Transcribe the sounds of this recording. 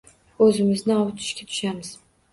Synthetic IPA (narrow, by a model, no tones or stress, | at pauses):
ɵzɪmɪznɪɒwt̪ʰɪ̥ʃkʲat̪ʰʊ̥ʃamɪz̥